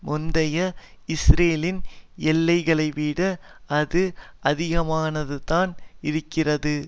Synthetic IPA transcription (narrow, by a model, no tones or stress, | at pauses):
mʊnd̪ɐjɐ | ɪsɾeːlɪnɛlːɐɪɣɐɭɐɪʋiːɽɐ | ɐðɯɐðɪɣɐmaːnɐðɯt̪aːnɪɾɯkːɪrɐðɯ